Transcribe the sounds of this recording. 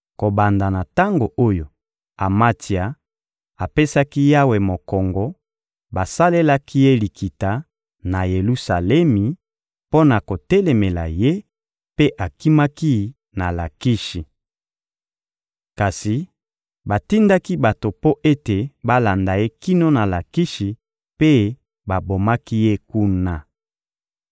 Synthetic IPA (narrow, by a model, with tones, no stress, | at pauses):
ko˨ba˨nda˨na˨ta˦ŋɡo˨ʔo˦jo˨ | a˨ma˦ti˨a˨ | a˨pe˦sa˦ki˦ja˦we˨mo˨kɔ˨ŋɡɔ˨ | ba˨sa˦le˦la˦ki˦je˦li˨kʰi˨ta˨ | na˨je˨lu˦sa˨lɛ˦mi˨ | po˦na˨ko˨tɛ˦lɛ˨me˨la̰˨je˦ | pe˦ʔa˨ki˦ma˦ki˦ | na˨la˨ki˦ʃi˨ | ka˨si˨ | ba˨ti˦nda˦ki˦ba˨to˨po˦ʔe˦te˨ba˦la˨nda˨je˦ki˦no˦na˨la˨ki˦ʃi˨ | pe˦ | ba˨bo˨ma˦ki˦je˦ku˦na˨